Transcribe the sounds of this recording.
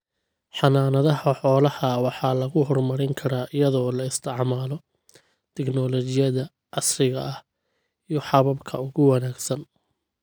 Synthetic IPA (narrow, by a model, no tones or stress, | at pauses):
ħɑnaːnɐðɐɦɐħɔːlɐhɐwɑħɑːlɐɣʊɦɔrmɐɾɪŋkʰɐɾaːʔɪjɐðɔːlɐɪst̪ʰɪʕmaːlɔ | t̪ʰɛknɔlɔt͡ʃɪjɐðɐ | ʕɑsrɪɣɐ̰ɐh | ijɔħɑβɐbkʰɐ̰ʊɣʊwɑnaːɡsɐn